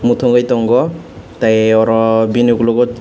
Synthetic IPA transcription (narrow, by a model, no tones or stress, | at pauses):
mutʰɔŋɡajtɔŋɡɔ | tajɔɾɔbinuklɔɡɔt